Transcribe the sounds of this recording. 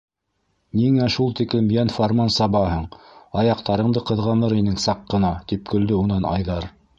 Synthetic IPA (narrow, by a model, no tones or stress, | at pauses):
niŋæʃulˠt̪iklɘmjænformɑnsɑβɑɦɤɴɑjɑqt̪ɑɾɤ̆ɴd̪ɤqɤ̆ðʁɑnɤɾinɘŋsɑqːɤ̆nɑt̪ip̚kɵ̆ld̪ɘunɑnɑ̰jðɑɾ